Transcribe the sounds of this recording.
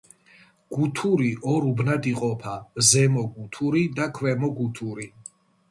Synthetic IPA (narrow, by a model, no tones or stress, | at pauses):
ɡ̥ut̪ʰuɾiʔɔɾubnad̪iqʼɔpʰazɛmɔɡut̪ʰuɾid̪akʰwɛmɔɡut̪ʰuɾi